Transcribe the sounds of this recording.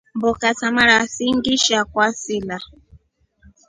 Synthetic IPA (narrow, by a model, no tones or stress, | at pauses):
mbɔkasamaɾasiŋɡiʃakwasila